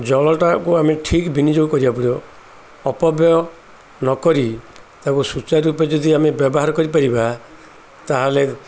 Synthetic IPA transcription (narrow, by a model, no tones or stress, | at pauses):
d͡ʒɔɭɔʈakuameʈʰikbinid͡ʒoɡɔkɔɾibapuɽiɔː | pɔbjɔ | nɔkɔɾit̪akusut͡ʃaɾuped͡ʒɔd̪iamebjɔbɔɦaɾɔkɔɾipaɾiba | t̪aɦale